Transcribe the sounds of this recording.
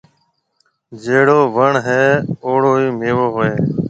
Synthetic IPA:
d͡ʒeːɽoːʋəɳɦeːoːɽoːiːmeːʋoːɦʊeː

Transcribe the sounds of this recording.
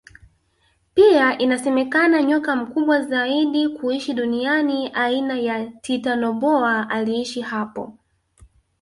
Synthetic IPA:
piaʔinasɛmɛkanaɲɔkam̩kuɓwazaiɗikuiʃiɗunianiʔainajatitanɔɓɔaʔaliiʃihapɔ̰

